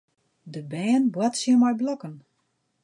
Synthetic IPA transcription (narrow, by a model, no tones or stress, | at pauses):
dəbɛːnbwatsiəmɔjblɔkən